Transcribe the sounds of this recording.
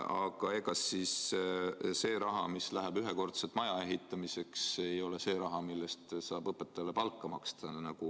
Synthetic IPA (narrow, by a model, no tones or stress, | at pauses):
ɑ̰ɡ̥ɑekɑsːiːs | se̞ːɾɑɦɑ̰mislæɦeb̥yɦeko̞rt̪selt̪mɑjɑe̞ɦit̪ˑːɑmise̞kse̞jo̞lese̞ːɾɑɦɑmilːest̪sɑːb̥ɤpːˑet̪ːˑɑlːepɑlkːˑɑmɑ̰kst̪ɑnɑɡ̥u